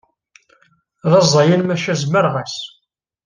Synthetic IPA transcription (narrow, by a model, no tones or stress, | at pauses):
ðɑzˤɑjənmæʃæzməɾʁæs